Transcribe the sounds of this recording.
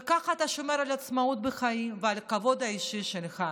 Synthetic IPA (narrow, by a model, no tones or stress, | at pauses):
kaχat̪aʃo̞me̞ɾalat͡smaut̪̚beχaimvealkavo̞d̪aiʃiʃelχa